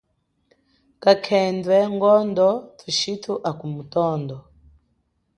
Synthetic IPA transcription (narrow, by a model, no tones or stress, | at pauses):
kakʰɛndwɛŋɡɔndɔtʰiʃitʰuʔakumutɔːndɔ